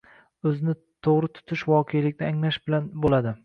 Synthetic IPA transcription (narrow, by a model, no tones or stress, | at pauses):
ɵzɪnɪ | t̪ʰoʁɾɪt̪ʰʊ̥t̪ʰɪʃvɒːqʰejlɪkʲnɪaŋlaʃbɪlanbolad̪ɪ